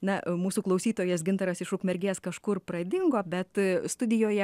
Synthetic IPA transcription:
nɐmuːsuːklˠɐʊsʲiːt̪oːjɛsɡʲɪnt̪ɐɾɐsɪʃʊkmʲɛɾʲɡʲeːskɐʃkʊrprɐd̪ʲɪŋɡoːbʲɛt̪st̪ʊd̪ʲɪjoːjɛ

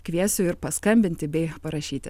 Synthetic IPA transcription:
kʋʲiɛsʲʊːɪɾpɐskɐmʲbʲɪnʲt̪ʲɪbʲɛɪpɐɾɐʃʲiːt̪ʲɪ

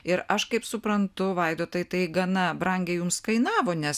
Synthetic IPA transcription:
ɪɾʔɐʃkɐɪpsʊpɾɐnt̪ʊʋɐɪd̪oːt̪ɐjt̪ɐɪɡɐnɐbɾɐŋʲɡʲejʊmskɐɪnɑːʋoːnʲɛs

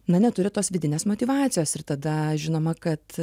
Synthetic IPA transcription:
nɐnʲɛt̪ʊɾʲɪt̪oːsʋʲɪd̪ʲɪnʲeːsmoːt̪ʲiːʋɑːt̪sʲɪjoːsɪɾt̪ɐd̪ɐʒʲɪnoːmɐkɐt̪

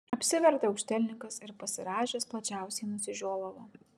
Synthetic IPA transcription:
ɐpʲsʲɪʋʲɛɾt̪ʲɛɐʊkʃʲt̪ʲɛlʲnʲɪŋkɐsɪɾpɐsʲɪɾɑːʒʲeːsplˠɐt͡ʃʲæˑʊsʲɛɪnʊsʲɪʒʲoːlˠɐʋɐ

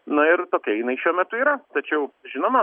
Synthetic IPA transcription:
nʊɪɾt̪oːkʲiɛjɪnɐɪʃʲuɔmʲɛt̪ʊiːɾɐt̪ɐt͡ʃʲɛʊʒʲɪnoːmɐ

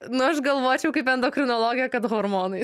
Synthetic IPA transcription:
nʊɐʃɡɐlˠʋoːt͡ʃʲɛʊkɐɪpɛnd̪oːkɾʲɪnoːlˠoːɡʲɪjɛkɐt̪ɦoːɾmoːnɐɪ

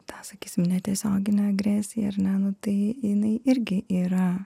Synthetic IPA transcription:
t̪ɑːsɐkʲiːsʲɪmnʲɛt̪ʲiɛsʲoːɡʲɪnʲɛɐɡɾʲæːsʲɪjɛɐɾnʲɛnʊt̪ɐɪɪnɐɪʔɪɾʲɡʲɪʔiːɾɐ

